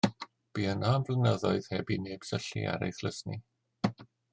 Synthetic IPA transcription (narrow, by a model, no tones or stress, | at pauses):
b̥iːənaːmvlənəðɔɨð̥hɛbineːb̥səɬḭa̰ɾḛjθləsni